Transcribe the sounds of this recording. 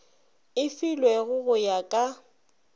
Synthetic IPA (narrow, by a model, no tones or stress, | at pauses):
ɪfilwɛɣʊɣʊjakʼa